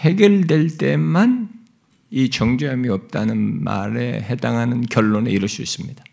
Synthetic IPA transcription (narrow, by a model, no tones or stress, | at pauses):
he̞ɡjʌɭdwe̞ɭt͈e̞man | it͡ɕʌŋd͡ʑʌmiʌp̚t͈anɯnma̰ɾe̞̰he̞daŋɦanɯnkjʌɭːoneiɾʌɭs͈uis͈ɯmɲid̥a